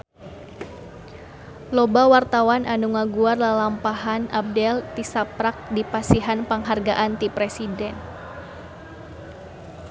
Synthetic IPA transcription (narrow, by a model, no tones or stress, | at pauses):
lɔbawart̪awanʔanuŋaɡuarlalampaɦanap̚dɛlt̪isapɾak̚dipasiɦanpaŋɦarɡaʔant̪ipɾesidɛn